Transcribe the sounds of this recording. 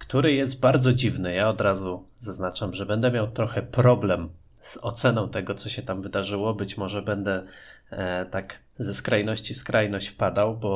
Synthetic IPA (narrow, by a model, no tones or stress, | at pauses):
kt̪uɾɘjɛst̪̚baɾd̪zɔd͡ʑivnɘjaɔd̪ɾazuzaznat͡ʂamʐɛbɛnd̪ɛmʲjawt̪ɾɔxɛpɾɔblɛm | z̥ɔ̰t̪sɛnɔ̃w̃t̪ɛɡɔt̪sɔɕɛt̪amvɘd̪aʐɘwɔbɘt͡ɕmɔʐɛbɛnd̪ɛ | t̪ak | zɛskɾajnɔɕt͡ɕiskɾajnɔɕt͡ɕfpad̪awbɔ